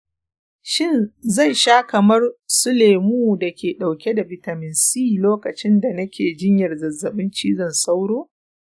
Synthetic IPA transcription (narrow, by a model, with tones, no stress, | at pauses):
ʃɪ˦nzɐ˦˨jʃaː˦kɐ˨mɐ˦rsʊ˦le˨jmuː˦da˨kʲeː˨ɗa˨wkʲe˦da˨bɪ˨tɐ˨mɪ˨nsi˦˨loː˦kɐ˨t͡ʃɪ˦nda˨nɐ˦kʲeː˨d͡ʒɪ˦ɲjɐ˨rzɐ˨zːɐ˨ɓɪ˦nt͡ʃiː˦zɐ˨nsa˦wɽoː˦